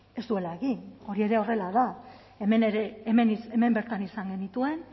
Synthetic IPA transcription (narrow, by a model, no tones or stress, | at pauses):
e̞st̪ue̞laeɣino̞ɾie̞ɾe̞o̞re̞laða | emeneɾeːmeniseme̞mbe̞ɾt̪anisaŋɡe̞nit̪ue̞n